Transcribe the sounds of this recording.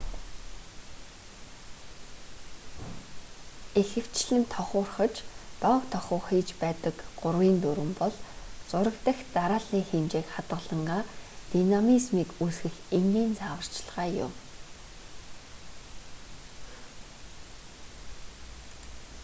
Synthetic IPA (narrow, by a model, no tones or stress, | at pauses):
exɘ̆w̥t͡ɕɮɘ̆nt̪ʰɔχʊːrχə̆t͡ɕt̪ɔwt̪ʰɔχʊːχiːt͡ɕpæːt̪ə̆kɢʊrwiːnt̪uɾɘ̆mpɔɮt͡sʊɾə̆kt̪ə̆xt̪aɾaːɮiːŋxemt͡ɕeːkχat̪ʁə̆ɮə̆ɴɢaːt̪inamismiːkusɡɘ̆xeŋɡiːnt͡sʰaːwə̆r̥t͡ɕɮʁaːjʊ̰m